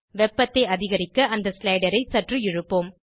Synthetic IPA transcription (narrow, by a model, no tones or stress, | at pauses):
ʋɛpːɐt̪ːeɪɐðɪɣɐɾɪkːɐʔɐnd̪ɐslɐɪɽɐɾɐɪsɐʈrɯɪɻɯpːoːm